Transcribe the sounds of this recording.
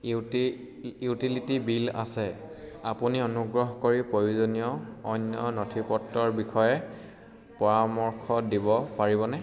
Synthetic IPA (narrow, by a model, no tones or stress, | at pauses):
jutilitibila̰sɛ | apunionuɡɹɔɦkoɹipɹojuzoniɔːnːjɔnotʰipɔtːɔɹbixʰɔjɛ | pɔɹamɔɹkʰɔdibɔpaɹibɔnɛ